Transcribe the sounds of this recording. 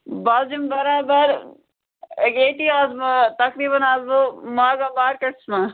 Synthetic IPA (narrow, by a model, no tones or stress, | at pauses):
baːd͡ʒimbɐɾaːbɐɾ | ɡeːʈiːaːzmɐt̪ɐkɾiːbɐnaːzomaːɡaːbaːɾkɐɽsma